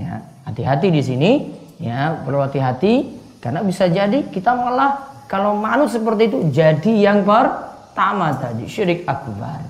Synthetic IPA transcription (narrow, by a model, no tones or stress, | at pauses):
ja̰hat̪iɦat̪idis̬ini | jabəlawɦat̪iɦat̪i | karnabisad͡ʒadikit̪amalahkalomanʊsəpərt̪iːt̪ud͡ʒadijaŋpər | t̪amat̪adiʃɾik̚ak̚ba̰r